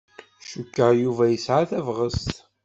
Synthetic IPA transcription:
ʃukːəʁjuvæjəsʕaθævʁəst̪

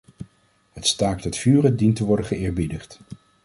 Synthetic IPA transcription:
hətstaːk̚dɔtfyːrəndintəʋɔɹdəχəɪːɹbidəχt

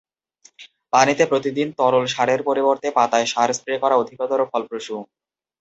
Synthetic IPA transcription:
panit̪epɾot̪id̪int̪ɔɾolʃaɾeɾpoɾiboɾt̪epat̪aeʃaɾspɾekɔɾaod̪ʱikɔt̪oɾokʰɔlpɾoʃu

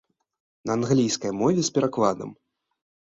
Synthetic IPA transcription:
nɐːnɣlʲijskɐjmɔvʲɛspʲɛɾakvad̪ɐ̰m

